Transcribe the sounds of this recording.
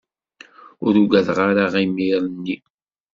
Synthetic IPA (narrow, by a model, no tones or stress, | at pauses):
ʊɾuɡæðʁaɾaʁimiɾˤənːi